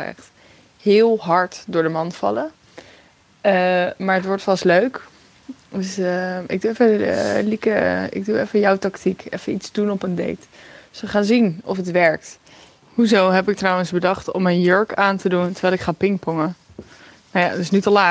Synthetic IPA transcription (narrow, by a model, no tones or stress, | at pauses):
ɛ̰χt | hɪːlˠɦɑɹtdʊːɹdəmɑnfɑ̰lə | əmaːɹətʋɔɹtfɑstløɥk | døsɪ̰ɡ̚duɛfəlikəɪ̰ɡ̚duɛfəjɔwtɑktikɛ̰fənitzdunɔpəndḛjt | sʋəχaːnzinɔfətʋɛɹk̚t | huzowɦɛpɪk̚trɔwənzbədɑχtɔ̰mənjøɹkaːntəduntəɹʋɛlɪkχaːpɪŋkpɔŋə | nawja̰tɪsnytəlaː